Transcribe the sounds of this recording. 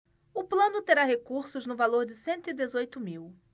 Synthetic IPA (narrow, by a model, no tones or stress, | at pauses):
ʊplɐ̃nʊt̪eɾaɦekuɾsʊznʊvaloɾd͡ʒɪsẽnt̪ʊid̪ezojt̪ʊmiw